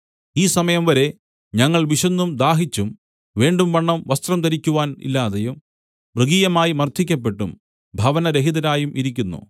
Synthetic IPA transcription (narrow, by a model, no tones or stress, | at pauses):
iːsɐmɐjɐmʋɐɾe̞ | ɲɐŋːɐɭʋiʂɐnːumd̪aːɦit͡ɕːum | ʋeːɳɖumʋɐɳːɐmʋɐst̪rɐmt̪ɐɾikʲːuʋaːnḭlːaːðɐjum | brɨɡiːjɐmaːjimɐrt̪ʰikʲːɐp̬ːe̞ʈːum | bʱɐʋɐnɐɾeɦidðɐɾaːjumʔiɾik̬ʲːunːṵ